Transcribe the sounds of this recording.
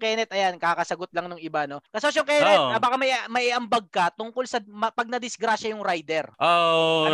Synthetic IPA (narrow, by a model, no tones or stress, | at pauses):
ŋkɛnɛt̪̚ɐjankaːkɐsɐɡot̪̚lɐŋnʊŋɪbano̞kɐsosjʊŋkɛːnɛt̪̚ɐbaːkamɐʔmɐʔɪʔɐmbɐɡ̚kɐt̪ʊŋkolsɐmɐpɐɡ̚nɐd̪ɪsɡɾaːʃɐjʊŋɾajd̪ɛɾʔo